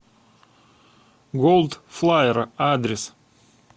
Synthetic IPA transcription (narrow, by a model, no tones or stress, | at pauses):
ɡolˠd̪flˠajɪɾəad̪ɾʲɪs